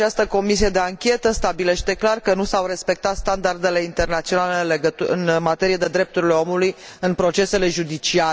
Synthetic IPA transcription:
t͡ʃast̪əko̞misie̞d̪e̞aŋkʲe̞t̪əst̪abile̞ʃt̪e̞klarkənusawɾe̞spe̞k̚t̪at̪st̪and̪ard̪e̞le̞int̪e̞rnat̪sio̞nalenleɡəɨ̰nmat̪e̞ɾije̞d̪ed̪ɾe̞p̚t̪uɾile̞o̞mulujɨnpɾo̞t͡ʃe̞se̞le̞ʒud̪it͡ʃia

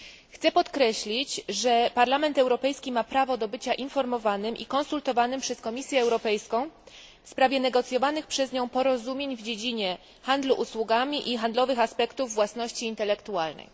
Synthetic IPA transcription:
xt̪sɛpɔt̪kɾɛɕlʲit͡ɕʐɛpaɾlamɛnt̪ɛwɾɔpɛjskʲimapɾavɔd̪ɔbɘt͡ɕaʔinfɔɾmɔvanɘmʔḭkɔnsult̪ɔvanɘmpʂɛskɔmʲisʲjɛːwɾɔpɛjskɔ̃w̃ | fspɾavʲjɛnɛɡɔt̪sʲjɔvanɘxpʂɛzɲɔ̃w̃pɔɾɔzumʲjeɲvd͡ʑed͡ʑiɲɛ | xand̪luʔuswuɡamʲiʔixand̪lɔvɘxaspɛkt̪uvːwasnɔɕt͡ɕiːnt̪ɛlɛkt̪ualnɛ̰j

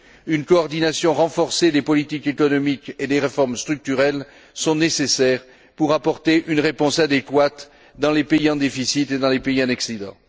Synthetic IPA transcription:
ynkɔːʁd̪inasjɔ̃ʁɑ̃fɔʁsed̪epɔlit̪ikekɔnɔmiked̪eʁefɔʁmst̪χyk̚t̪yʁɛl | sɔ̃nesesɛʁ | puʁapɔʁt̪eʔynʁepɔ̃sad̪ekwat̪ | d̪ɑ̃lepeiɑ̃d̪efisit̪ed̪ɑ̃lepeiɑ̃naksid̪ɑ̰̃

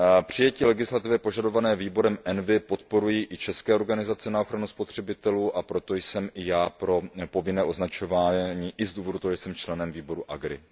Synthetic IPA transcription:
pr̝̥ɪjɛciːlɛɡɪslat̪ɪvjɛpo̞ʒado̞vanɛːviːbo̞ɾɛmʔɛnvɪpo̞t̪po̞ɾujiːʔɪt͡ʃɛskɛːo̞ɾɡanɪzat͡sɛnao̞xɾanuspo̞t̪r̝̥ɛbɪt̪ɛluːʔapɾo̞t̪o̞jsɛmʔɪjaːpɾo̞po̞vɪnɛːʔo̞znat͡ʃo̞vaːɲiːʔɪzduːvo̞dut̪oɦoɛjsɛmt͡ʃlɛnɛmviːbo̞ɾuʔaɡɾɪ̰

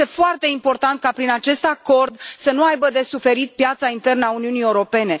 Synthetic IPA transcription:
e̞foart̪e̞impo̞rt̪ant̪̚kapɾinat͡ʃe̞st̪ako̞rd̪sənuajbəd̪e̞sufe̞ɾit̪̚pjat̪saint̪e̞rnəauniunieuɾo̞pe̞ne̞

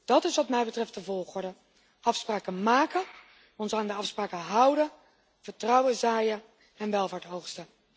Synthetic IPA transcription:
d̥ɑtɪsʋɑtmɛjbətrɛft̚dəvɔlˠχɔɹdə | ʔɑfspraːkəmaːkə | ɔnsaːndəɑfspraːkəɦʌwdə | v̥əɹtrɑwəzaːjə | ɛnʋɛlˠvaːɹtɦowχstə

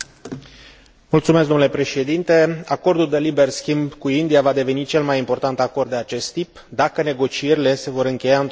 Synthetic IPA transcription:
mult̪sumesɡd̪onulepɾe̞ʃe̞d̪int̪e̞ako̞rd̪uld̪e̞libe̞rskʲimbkuind̪ijavad̪e̞ve̞nit͡ʃe̞lmajimpo̞rt̪ant̪akord̪d̪e̞at͡ʃe̞st̪ːip | d̪akəne̞ɡo̞t͡ʃie̞ɾile̞se̞vo̞ɾɨŋkʲe̞jaɨnt̪

